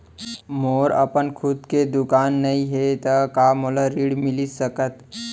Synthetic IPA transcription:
moːɾə̰pənkʰʊd̪ked̪ʊkaːnːəĩɦet̪əkaːmoləɾiːɽmɪlisəkət̪

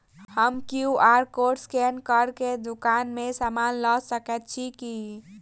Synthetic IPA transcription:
həmkiuʔaɾkoʈskɛnkəɾked̪ukanmesamanləsəkɛt̪̚t͡ʃʰiki

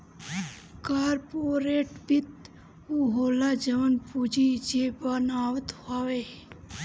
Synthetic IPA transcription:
kaːɾpoːɾeːʈbɪt̪ | uɦoːlaːd͡ʒəʋənpud͡ʒid͡ʒeːbanaːwət̪aːʋeː

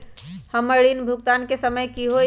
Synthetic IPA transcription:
həməɽinbʱukt̪ankesəməjkiɦo

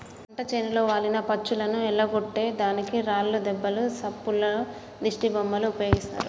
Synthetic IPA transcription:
ɐɳʈɐt͡ʃenilo̞ːʋaːlinɐpɐt͡ʃːulɐnuɛɭːɐɡoʈːe̞ːd̪aːnikiɾaːlːud̪ɛbːɐlusɐpːulːɐ | d̪iʂʈibɐmbɐluːpɐjo̞ːɡist̪a̰ːɾu

